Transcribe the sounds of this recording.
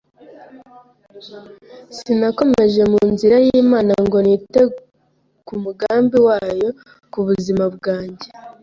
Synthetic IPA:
sinako̞me̞ʒe̞muːnziɾajiːmaːnaŋɡo̞nite̞ | kumuɡaːmbiwaːjo̞ | kuβuzimabɡaːɲɟe̞

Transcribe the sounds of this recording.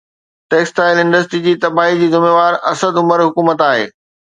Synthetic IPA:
ʈeːksʈaːɪlɪ̃ɳɖəsʈɾid͡ʑiːt̪ɐbaːɦid͡ʑiːzʊmeːʋaːɾɐsəd̪ʊməɾɦʊkuːmət̪aːɦḛː

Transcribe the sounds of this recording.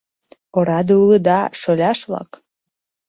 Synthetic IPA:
oɾɑd̪ɤuləd̪ɑʃolʲɑʃβlˠɑ̰k

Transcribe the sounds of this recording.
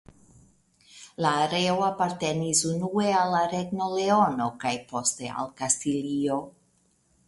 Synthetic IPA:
laːɾeoapaɾte̞nisunue̞alːaɾeɡno̞leono̞kajpo̞ste̞a̰lkastilio̞

